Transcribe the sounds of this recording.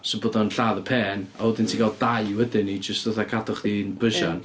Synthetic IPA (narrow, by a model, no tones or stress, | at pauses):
sɔboːdɔnɬaːðəpʰeːnawɛdɪntʰiɡal̚ˠdajwɛdɪnid͡ʒəstðɔθakʰadɔχðinbəʃɔn